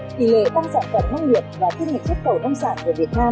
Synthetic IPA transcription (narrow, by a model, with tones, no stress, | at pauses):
t̪ḭ˧˨˩lḛ˧˨t̪aː˧ŋsa̰ː˧˨nfə˧˩mnə˧wŋ͡mŋi˨˩əp̚vaː˨˩t͡ɕi˧nŋi˨˩k̚zʊ˦˥t̚xə˨˩wnə˧wŋ͡msa̰ː˧˨nkɨ̰˧˩vi˨˩ət̚naː˧m